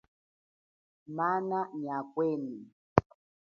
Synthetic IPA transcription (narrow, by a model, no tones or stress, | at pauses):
mananiakweni